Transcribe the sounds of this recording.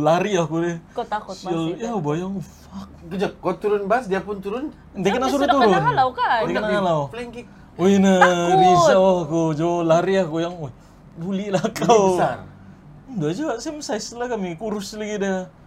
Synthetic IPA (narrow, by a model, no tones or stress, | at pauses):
laɾiakudɛkot̪akʊtəljabajaŋufak̚kəd͡ʒakat̪uɾʊnbasdiapʊnt̪uɾʊn | nd̪ekətnasuɾut̪uɾʊnalawkadekənaalawflɛŋkik̚ | oinanisaakud͡ʒolaɾiakujaŋoj | dulilakawa̰r | undad͡ʒasajməsasəlahkamikuɾʊslaɡida